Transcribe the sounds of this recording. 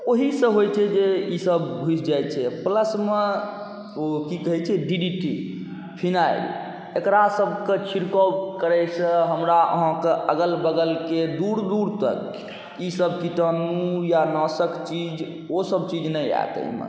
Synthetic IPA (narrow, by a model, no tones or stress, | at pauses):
oɦisə̃ɦojt͡ʃʰɛd͡ʒeisəbɡʱut͡ʃʰd͡ʒajt͡ʃʰɛpləsme | okikəɦɛt͡ʃʰɛɖiɖiʈḭ | pʰinaḭl | ekɾasəbʱket͡ʃʰiɾkɔkəɾɛsə̃ɦəmɾaə̰ɦãkeʔəɡəlbəɡəlked̪uɾd̪uɾt̪ə̰k | isəbkit̪ənujanəsəkt͡ʃid͡ʒ | osəb̚t͡ʃid͡ʒnəja̰jt̪ə̰imḛ